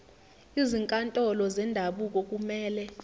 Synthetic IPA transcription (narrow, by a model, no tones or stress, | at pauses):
iziŋkʼantʼɔlɔzɛndʱaɓuk̬ʼok̬ʼumɛːlɛ